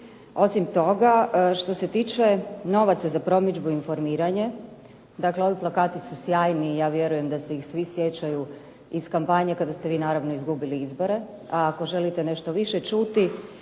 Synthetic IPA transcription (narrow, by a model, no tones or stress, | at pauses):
o̞simt̪o̞ɡaʃt̪o̞se̞t̪iːt͡ʃe̞no̞ʋat̪sazapɾo̞mid͡ʒbuinfo̞ɾmiːɾaɲe̞ | d̪akleo̞ʋiplˠakaːt̪isusjaːjnijaːʋje̞ɾuje̞md̪asejixsʋisjet͡ɕaju | iskampaɲekad̪ast̪e̞ʋiːnaːɾaʋno̞izɡubiliizbo̞ɾe̞ | aːko̞ʒe̞lit̪e̞ne̞ʃt̪o̞ʋiʃet͡ʃut̪i